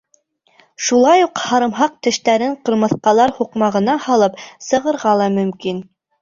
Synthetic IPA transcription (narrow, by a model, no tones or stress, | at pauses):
ʃulˠɑjuqhɑɾɤ̆mɦɑq̚t̪ɘ̆ʃt̪æɾɘɴqɤ̆ɾmɤ̆θqɑlˠɑɾhuqmɑʁɤ̆nɑhɑlˠɤpsɤ̆ʁɤ̆ɾʁɑlˠɑmɵ̆mkin